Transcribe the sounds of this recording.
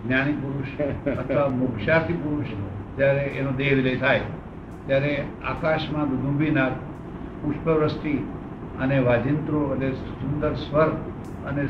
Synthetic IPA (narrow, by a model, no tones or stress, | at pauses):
ɡnjanipuɾuʃʰət̪ʰʋamokʃat̪ʰipuɾuʃd͡ʒjaɾeʔenod̪eʋiləjt̪ʰaj | t̪jaɾea̰kaʃmãd̪ud̪ʱũbʱinaɾ | puʃpəʋɾəst̪i | əneʋad͡ʒint̪ɾoəne | sʊnd̪əɾsʋəɾ | ə̰ne